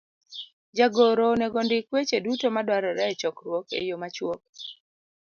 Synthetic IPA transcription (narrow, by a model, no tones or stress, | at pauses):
d͡ʒaɡoɾonɛɡondɪkwet͡ʃedutomadwaɾɔɾɛt͡ʃɔkɾwɔkḛjomat͡ʃwok̚